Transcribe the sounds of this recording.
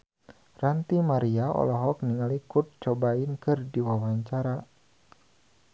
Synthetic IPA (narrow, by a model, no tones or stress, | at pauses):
rant̪imaɾiaɔ̰lɔɦɔk̚niŋalikut̪̚t͡ʃɔbaɪnkɨrdiwawaɲt͡ʃaɾa